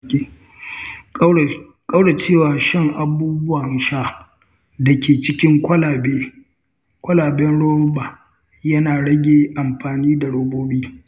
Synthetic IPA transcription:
kʼɐ˦wɽa˨t͡ʃeː˦˨waː˨ʃɪ˦˨ŋʔa˨buː˦bʊ˦waː˨ʃa˦ | da˨kʲʰeː˨t͡ʃɪ˦kʲɪ˦ŋkʷɐ˦la˨beː˦ | kʷɐ˦laː˨bɛ˦nɽoː˦ɓa˨ | jɐ˦naː˨ɽɐ˦ɡʲeː˨ʔa˨mɸaː˨niː˦da˨ɽoː˦boː˦ɓiː˦

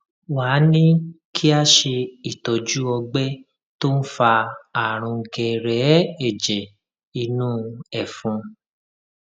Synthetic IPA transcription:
wa˨˦nĩ˦kʰi˦a˦ʃe˧i˦˨tɔ˨d͡ʒu˦ɔ˧ɡ͡bɛ˦ | to˦n̩˦fa˧a˨ɾ̃ũ˧ŋ̩˧kɛ˧ɾɛ˨˦ɛ˦˨d͡ʒɛ˨ | i˧nũ˦ɛ˨fũ˧

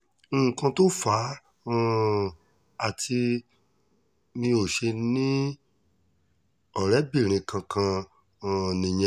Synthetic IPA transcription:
kã˧to˦fã˨˦˨ | a˨tʰi˧ | mĩ˧o˦˨ʃe˧nĩ˦ | ɔ˨ɾɛ˨˦bĩ˦˨ɾ̃ĩ˨kã˧kʰã˧˨ | nĩ˨j̃ɛ̃˧

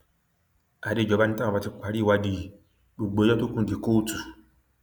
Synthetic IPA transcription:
a˨de˨˧˨d͡ʒɔ˨˧ba˧nĩ˦ta˦a˨a˧ti˧˦kʷa˨˦ɾi˦˨wa˧di˨ | bu˨ɡ͡bo˨˦jɔ˦to˦kũ˦de˨ko˦tu˨

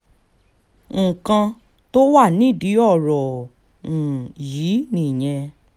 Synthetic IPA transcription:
ŋ̩̃˨kã˧ | to˦wa˦˨nĩ˦˨di˨˦ɔ˦˨ɾɔ̃˨ | ji˨˦nĩ˦˨j̃ɛ̃˧

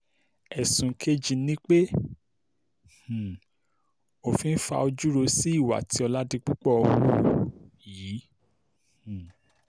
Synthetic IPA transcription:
ɛ˨sũ˨˦kʰe˦d͡ʒi˧nĩ˦k͡pe˦ | h̩˨ | o˨fĩ˧n̩˦fa̰˧o˧d͡ʒu˦ɾo˧si˦i˦˨wa̰˨tʰi˨˦ɔ˧la˦dĩ˧k͡pu˦k͡pɔ˦˧wo˦˨˦ | jiː˨˦˨

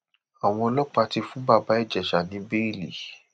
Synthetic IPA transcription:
a˨w̃ɔ̃˧lɔ˦k͡pa˧ti˧fũ˦ba˦˧˨ba˨˦i˦˨d͡ʒɛ˨ʃa˨nĩ˨˦be˦i˦˨lḭ˨

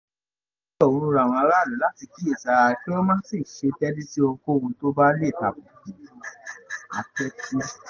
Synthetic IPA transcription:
ɔ˦˨õ˨˧ɾũ˧˦ɾa˨w̃ɔ̃˧ɾa˦˨lũ˨˦la˦ti˧ki˦e˦˨sa˧ki˦ɔ˦mãː˦n˦si˦˨ʃe˧tɛ˦di˦ti˦o˧ko˦˨wũ˧to˦ba˦le˦˨ta˨bu˨kũ˨ | a˧tɛ˦kʰi˦

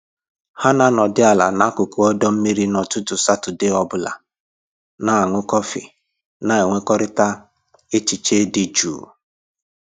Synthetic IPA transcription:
ha˦na˦nɔ˨dɪ˦a˨la̰˨na˦kʊ˨kʊ˦ɔ˦dɔ˦m̩˦mi˦ɾi˦nɔ˨tʊ˦tʊ˨sa˦tʊ˨dɪ˦ɔ˦bʊ˦la̰˨ | na˨a˨ŋʊ˦kɔ˦fɪ̰˨ | na˨e˨ŋʷe˦kɔ˦ɾɪ˦ta˦ | e˦t͡ʃi˨t͡ʃe˦dɪ˦d͡ʒṵː˨

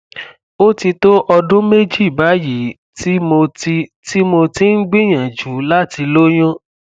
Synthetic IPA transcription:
o˦ti˧to˦ʔɔ˧dũ˦me˦d͡ʒi˦˨ba˨˦ji˨˦ | ti˦mo˧ti˧ti˦mo˧tĩ˦n̩˦ɡ͡bĩ˦˨j̃ã˨d͡ʒu˨˦la˦ti˧lo˦j̃ã˦

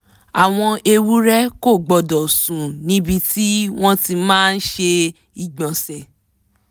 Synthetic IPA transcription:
a˨w̃ɔ̃˧e˧wu˦ɾɛ˦ko˦˨ɡ͡bɔ˨dɔ˨sũ˨nĩ˨˦bi˧ti˦w̃ɔ̃˦ti˧mãː˦˧n̩˦ʃe˧ | i˨ɡ͡bɔ̃˨sɛ˨

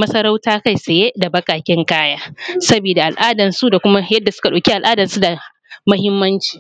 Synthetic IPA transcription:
mɐ˦sɐ˦ɾa˦wtaː˦ka˦˨jse˨je˦da˨bɐ˦kaː˨kʲɪ˦ŋkaː˦jaː˦sɐ˦biː˨da˨ʔa˨lʔaː˦dɐ˨nsu˦da˨kʷʊ˦ma˦jɐ˦dːa˨sʊ˦ka˨ɗa˨kʲi˦ʔa˨lʔaː˦dɐ˨nsu˦da˨ | mɐ˦hɪ˦mːɐ˦nt͡ʃi̥ː˨

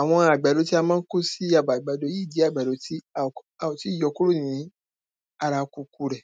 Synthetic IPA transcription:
a˨w̃ɔ̃˧a˨ɡ͡ba˨do˨˧˦ti˦a˧mãː˦n̩˦ko˦si˦a˦˨ba˨ɡ͡ba˨do˨˦ji˦˨di˨˦a˦˨ɡ͡ba˨do˨˦ti˦˨ | a˨o˨ti˨˦˨jɔ˧˦ku˦ɾu˦˨nĩ˨˦ | a˧ɾa˧˦ku˧ku˧ɾɛ˨

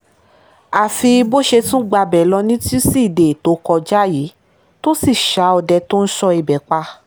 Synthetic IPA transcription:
a˨fi˧bo˦ʃe˧tũ˦ɡ͡ba˧bɛ˨lɔ˧nĩ˦ti˦si˦˨de˨to˨˦kɔ˧d͡ʒa˦ji˨˦ | to˦si˦˨ʃa˨˦ɔ˧˨dɛ˧to˦n̩˦ʃɔ˧i˨bɛ˨k͡pa˧

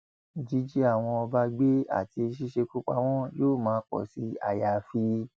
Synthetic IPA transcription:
d͡ʒi˨˦d͡ʒi˦a˦˨w̃ɔ̃˧ɔ˧ba˧ɡ͡be˦a̰˦˨ti˧ʃ̬i˦ʃe˧ku˦k͡pa̰˧w̃ɔ̃˦joː˦˨mãː˨˦k͡pɔ̰˨si˨˦a̰˦˨ja˨fi˧˦

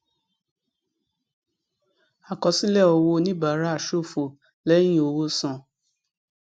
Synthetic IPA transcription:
a˨kɔ˨si˦lɛ˦ɔ˧wo˧nĩ˦ba˨˦ɾa˦˨ʃo˦˨fo˨ | lɛ˦j̃ĩ˦o˧wo˧sã˨

